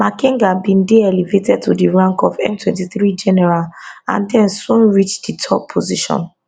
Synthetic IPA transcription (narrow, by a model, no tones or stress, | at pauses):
makĩŋɡabĩndeɛlivetɛd̚tʰudiɹãŋkɔvɛ̰̃mtʰwɛ̃ntiθɹid͡ʒɛnɛɹalã̰ndɛ̃nsũnɹit͡ʃditʰɔpʰːoziʃɔ̰̃n